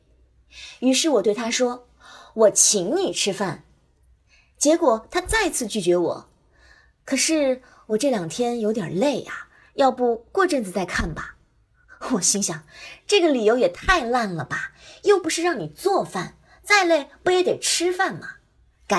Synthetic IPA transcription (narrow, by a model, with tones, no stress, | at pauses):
y˧˥ʂɻ̩˥˩wɔ˨˩t̪we˥˩ɪt̪ʰa˥ʂwɔ˥ | wɔ˨˩t͡ɕʰi˧˥ŋni˨˩ʈ͡ʂʰɻ̩˥fa˥˩n | t͡ɕjɛ˧˥kwɔ˨˩t̪ʰa˥t͡sa˥˧ɪ˧t͡sʰɹ̩˥˧t͡ɕy˥˩t͡ɕɥɛ˧˥wɔ̰˨˩˦ | kʰɤ˨˩ʂɻ̩˥˩ | wɔ˨˩ʈ͡ʂɤ˥˩ljɑ˨˩ŋt̪ʰjɛ˥njo˧˥ʊt̪jɛ̰˨˩le˥˩ɪa˩ | jɑ˥˧ʊpu˥˧kwɔ˥˧ʈ͡ʂə˥˧nt͡sɹ̩˨˩t͡sa˥˧ɪkʰa˥˩nbɐ˩ | wɔ˨˩ɕi˥ŋɕjɑ˨˩˦ŋʈ͡ʂɤ˥˩ɡə˩li˨˩jo˧˥ʊjɛ˨˩t̪ʰa˥˧ɪla˥˩nlə˩bɐ˩jo˥˩ʊpu˧˥ʂɻ̩˥˧ɻɑ˥˩ŋni˨˩t͡swɔ˥˧fa˥˩n | t͡sa˥˧ɪle˥˩ɪpu˧˥jɛ˧˥t̪e˨˩ɪʈ͡ʂʰɻ̩˥fa˥˩nmɐ˨˩ | ka˨˩